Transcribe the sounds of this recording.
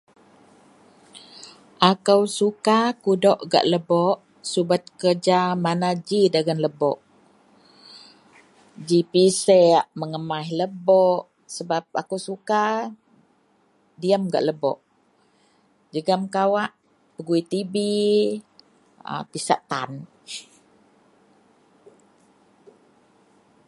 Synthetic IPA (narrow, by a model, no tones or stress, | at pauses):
ʔakəwsukakudɔʔɡa̰ʔləbɔʔ | subat̪̚kərd͡ʒamanad͡ʒidaɡanləbɔ̰ʔ | d͡ʒipisɛʔməŋəmahləbɔʔ | səbap̚a̰kusuka | diəmɡa̰ʔləbɔ̰ʔ | d͡ʒəɡamkawaʔ | pəɡuit̪ibi | ə̰pisaʔt̪an